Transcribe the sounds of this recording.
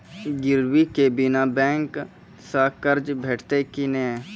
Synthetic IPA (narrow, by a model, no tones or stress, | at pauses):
ɡɪɾwikebɪnabɛ̃ːŋk | sakəɾd͡ʒbʱeːʈʰt̪ekineː